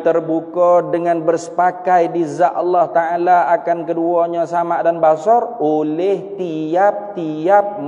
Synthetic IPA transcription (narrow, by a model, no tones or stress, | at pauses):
t̪ərbukɔdəŋanbərsə̥pakajdizaʔɔlːɑht̪aalaakankəduaɲasamadanbasɔrolɛht̪iap̚t̪iap̚n